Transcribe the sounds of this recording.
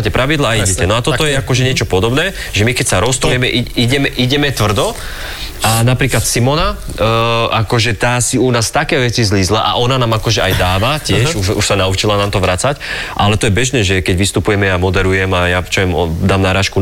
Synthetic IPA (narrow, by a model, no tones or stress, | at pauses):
cɛpɾʔaʋid̪laaiɟɛcɛnɔat̪ɔɔjɛakɔʒɛɲɪɛt͡ʃɔpɔd̪ɔbnɛː | ʒɛmikɛcsaɾɔst̪ujɛmɛʔiiɟɛmɛʔiɟɛmɛt̪ʋr̩d̪ɔ | ʔanapɾiːklat̪simɔna | akɔʒɛt̪aːsiunaːst̪akɛːʋɛt͡sizliːzlaʔa̰ʔɔnanaːmakɔʒɛʔajd̪aːʋacɪɛʃuʃuʃsanaut͡ʃilanaːmt̪ɔʋɾat͡sacʔa̰lɛt̪ɔjɛbɛʒnɛːʒɛkɛɟʋist̪upujɛmɛjamɔd̪ɛɾujɛmajat͡ʃaʋɛmɔd̪aːmnaɾaːʃku